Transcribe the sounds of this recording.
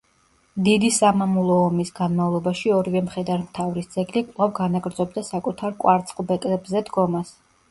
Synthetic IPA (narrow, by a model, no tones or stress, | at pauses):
d̪id̪isamamulˠɔːmisɡanmavlˠɔbaʃiɔɾivɛmχɛd̪aɾmt̪ʰavɾisd̪z̥ʼɛɡlikʼlˠavɡanaɡɾd̪zɔbd̪asakʼut̪ʰaɾkʼwaɾt̪sʼχʼlˠbɛt̪ʼlɛbzɛd̪ɡɔmas